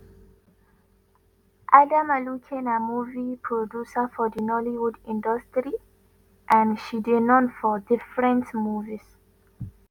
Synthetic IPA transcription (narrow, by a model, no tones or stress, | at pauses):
ʔadãmalukʰɛ̃namuvipʰɹɔdjusəfɔdinɔliwudĩndɔstɹi | ʔãnʃidinɔ̃nfɔdɪfɹɛ̃ntmuvis